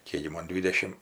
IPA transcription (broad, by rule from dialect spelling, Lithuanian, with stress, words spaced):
ˈkʲeːk ɡʲɪ ˈmoːn ˈdʲʋʲiːdʲɛʃʲɪm